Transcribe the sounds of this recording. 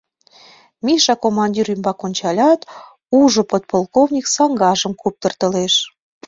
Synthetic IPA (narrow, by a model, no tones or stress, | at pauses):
miʃɑkomɑnʲdʲiɾymbɑkonʲt͡ɕɑlʲɑt̪ | uʒŏpot̪̚polkovnʲiksɑŋɡɑʒə̆mkup̚t̪ə̆rt̪ə̆leʃ